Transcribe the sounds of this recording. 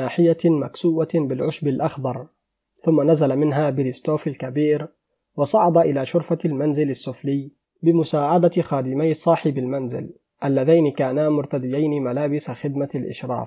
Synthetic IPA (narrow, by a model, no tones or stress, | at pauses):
aːħɪjama̰ksuːwabɪlʕʊʃbalʔɑxd̪ˤɑɾˤ | θʊmːanazalamɪnɦaːbɪlɪst̪oːfalkabiːɾ | wɑsˤɑʕɑd̪ˤɑʔɪlaːʃʊɾfalmanzɪlasːʊflɪj | bɪmʊsaːʕad̪axaːd̪ɪmajsˤɑːħɪbɪlmanzɪ̰l | ʔalːaðajnɪkaːnamʊɾt̪ad̪ɪjajnɪmalaːbɪsaxɪd̪malʔɪ̰ʃɾˤɑ̰ːf